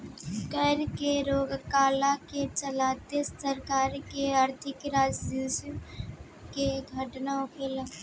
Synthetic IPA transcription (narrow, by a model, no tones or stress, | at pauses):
kɛːɾkeɾoːɡkaːlaket͡ʃəlaːt̪esəɾkaːɾkeəɾt̪ʰɪkɾaːd͡ʒd̪is | keɡʱəʈnaʊkʰeːl